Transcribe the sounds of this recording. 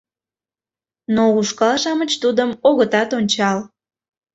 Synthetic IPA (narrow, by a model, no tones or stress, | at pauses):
nouʃkɑlʃɑmət͡ɕt̪ud̪əmoɣət̪ɑt̪onʲt͡ɕɑl